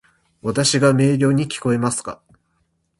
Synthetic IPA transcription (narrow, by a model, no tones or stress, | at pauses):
βat̪aɕiɡame̞ːɾʲo̞ːɲ̟ikʲi̥ko̞e̞masɨ̥ka̰